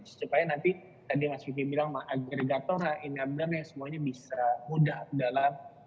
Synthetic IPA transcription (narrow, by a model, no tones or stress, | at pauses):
sə̥t͡ʃupaanant̪i | t̪adimasipibilaŋmahʔaɡɾeɡat̪ɔɾaʔiniab̚narjaŋsəmuaɲabisamudahdalam